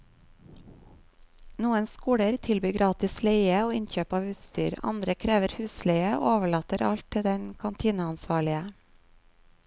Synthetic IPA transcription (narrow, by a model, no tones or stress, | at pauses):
nuːənskuːɽəɾt̪ʰɪlbyːɡɾɑːt̪ɪsleɪəoːɪnçøːpɑːʋʉːt̪st̪y̰ːɾɑ̰nd̪ɾəkʰɾeːʋəɾhʉːsleɪəo̰ːoːʋəɭɑːt̪əɾɑ̰ʎt̪̚ʰɪd̪ɛnkʰɑnt̪ʰiːnəɑnsʋɑːɭɪə